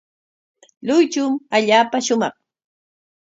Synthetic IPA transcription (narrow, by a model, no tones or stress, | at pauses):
lʊjt͡ʃʊmaʎaːpaʃʊmɑχ